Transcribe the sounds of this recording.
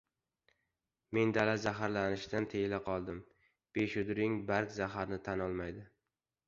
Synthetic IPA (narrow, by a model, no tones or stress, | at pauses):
me̞nd̪alazaɦaɾlanɪʃd̪ant̪ʰelaqʰɒlˠd̪ɪm | b̥eʃʊd̪ɾɪŋbaɾkzaɦaɾnɪt̪ʰanɒlˠmajd̪ɪ